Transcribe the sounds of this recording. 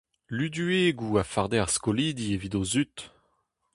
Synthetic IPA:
lyd̪yeɡuːafaʁd̪eaʁskoliːd̪ievid̪ozyt̪

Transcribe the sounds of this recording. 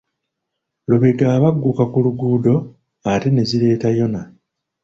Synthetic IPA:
loβe̞ɡaːβaɡːukakuluɡuːdo̞ | ate̞ne̞ziɾe̞ːtajo̞na

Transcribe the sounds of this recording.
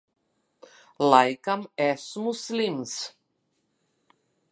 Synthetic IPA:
lajkɐmɛsmuslims

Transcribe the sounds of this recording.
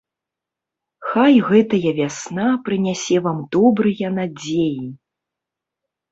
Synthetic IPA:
xajɣɛt̪ɐjɐvʲasnapɾɨnʲasʲɛvamd̪ɔbɾɨjɐnad͡zʲeji

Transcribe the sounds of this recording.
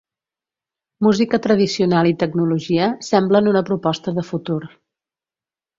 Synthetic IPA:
muzikət̪ɾəð̞isiunalˠit̪əɡnuluʒiəsɛmblənunəpɾupɔst̪əðəfut̪uɾ

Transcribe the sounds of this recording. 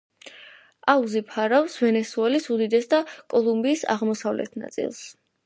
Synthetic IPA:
auzipʰaɾavsvɛnɛsuɛlisud̪id̪ɛsd̪akʼɔlˠumbiːsa̰ʁmɔsavlɛ̰t̪ʰna̰t̪sʼḭlˠs

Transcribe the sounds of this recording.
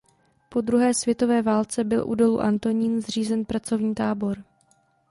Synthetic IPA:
po̞d̪ɾuɦɛːsvjɛt̪o̞vɛːvaːlt͡sɛbɪlʔṵdo̞lṵʔa̰nt̪o̞ɲiːnzr̝iːzɛnpɾat͡so̞vɲiːt̪aːbo̞ɾ

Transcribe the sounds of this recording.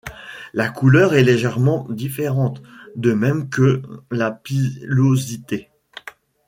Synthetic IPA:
lakulœʁɛleʒɛʁmɑ̃d̪ifeʁɑ̃t̪d̪əmɛmkəlapilozit̪e

